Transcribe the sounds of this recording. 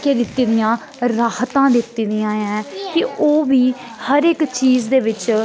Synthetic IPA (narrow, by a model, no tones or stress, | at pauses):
keːd̪ɪt̪ːiːd̪ɪjãː | ɾaːht̪ãːd̪ɪt̪ːiːd̪ɪjãːjɛ̃ːkɪoːʋiː | həɾɪkt͡ʃiːzd̪eːʋɪt͡ʃ